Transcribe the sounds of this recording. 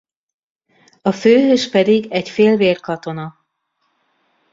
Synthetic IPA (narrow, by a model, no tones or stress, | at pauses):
ɒføːɦøːʃpɛd̪iɡɛcfeːlveːrkɒt̪o̞nɒ